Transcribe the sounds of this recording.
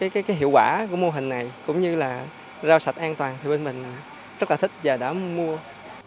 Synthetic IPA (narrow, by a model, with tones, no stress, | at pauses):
kaː˨˦jkaː˨˦jkaː˨˦jɦḭ˧˨əwkwaː˧˩kṵ˧˩˥əmo˧ɦï˨˩ŋ̟na˨˩jkʊ̰˧˥ŋ͡mɲɨ˧laː˨˩ | zaː˧wsa˨˩t̚ʔaː˧nt̪waː˨˩nt̪ʰi˨˩ɓe˧nmï˨˩ŋ̟ | zə˦˥laː˨˩t̪i˦˥k̟̚vaː˨˩ɗa̰ː˧˥mu˧ə